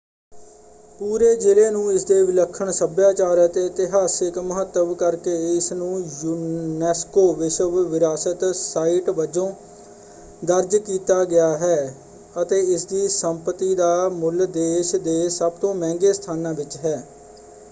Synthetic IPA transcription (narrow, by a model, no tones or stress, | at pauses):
puːɾeːd͡ʒɪleːnũːɪsd̪eːʋɪləkʰːəɳsəbjaːt͡ʃaːɾət̪ɪt̪ɪɦaːsɪkməɦət̪ːəʋkəɾkeːɪsnũːjuːnɛːskoːʋɪʃəʋʋɪɾaːsət̪saːiʈʋəd͡ʒõː | d̪əɾd͡ʒkiːt̪aːɡɪjaːɦɛː | ət̪eːɪsd̪iːsəmpət̪iːd̪aːmʊld̪eːʃd̪eːsəb̚t̪õːmɛ̃ːŋɡeːst̪ʰaːnãːʋɪt͡ʃɦɛː